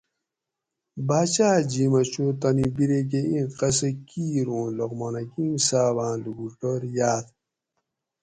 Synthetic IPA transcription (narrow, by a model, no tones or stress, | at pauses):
baːt͡ɕaːd͡ʑimɐt͡ɕoːt̪ɐnibiɾek̬eĩqɐsəkiːɾõːloɣmonɐkimsaːβãːluɡuʈoɾjaːt̪